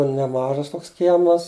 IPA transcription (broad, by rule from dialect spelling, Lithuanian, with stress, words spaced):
nʲɛˈmɑːʒɐs ˈtoːks ˈkʲiɛmɐs